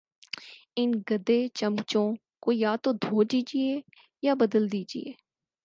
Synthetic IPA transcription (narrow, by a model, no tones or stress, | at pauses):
ɪnɡəd̪eːt͡ʃəmt͡ʃõː | koːjaːt̪õːd̪ʱoːd͡ʒiːd͡ʒɪeː | jaːbəd̪əld̪iːd͡ʒɪ̰ḛː